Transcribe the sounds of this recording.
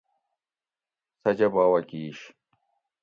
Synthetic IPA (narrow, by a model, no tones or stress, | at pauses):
sɐd͡ʑɐbaːwɐkiːɕ